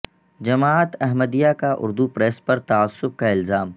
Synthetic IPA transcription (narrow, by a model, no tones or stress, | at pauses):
d͡ʒɐmaːt̪ɐɦməd̪ijakaʔʊ̰ɾd̪upɾɛːspɐɾt̪aːsːʊb̚kaɪlzaːm